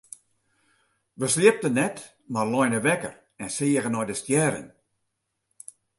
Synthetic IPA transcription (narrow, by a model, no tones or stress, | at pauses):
ʋəslɪəp̚tənɛt | marlɔjnəʋɛkə̰r | ɛnsɪəɣənɔjdəstjɛːɾə̰n